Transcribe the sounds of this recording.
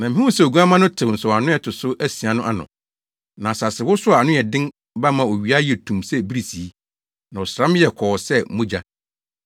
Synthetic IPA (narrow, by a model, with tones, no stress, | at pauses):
nã˨mɪ̃˦ɪ̃˦wʊ̃˦sɛ˦˨o˨ɡu˦a˦mã˦nʊ̃˦tʰɪ˨n̩˨sɔ˨a˨nʊ̃˦jɛ˨tʰʊ˨sʊ˦ʔæ˦si˨a˨nʊ̃˦ʔa˦nʊ̰̃˨ | nã˨sa˨sɪ˨wʊ˦sʊ˦a˨a˨nʊ̃˦jɛ˨dɪ̃˦n | ba˦mã˨o˨ɥi˨a˦jɛ˨tʰũ˨msɛ˦bi˦ɾi˨si˨i˦ | nã˨ɔ˨sɾã˦m̃˦jɛ˨kʰɔ˨ɔ˨sɛ˦mʊ̃˦d͡ʑa˦